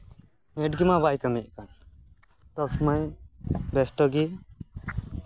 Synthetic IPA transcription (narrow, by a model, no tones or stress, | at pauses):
mɛʈɡimabajkəmiʔ̚kan | t̪ɔbsmajbɛsʈ̪ɔɡi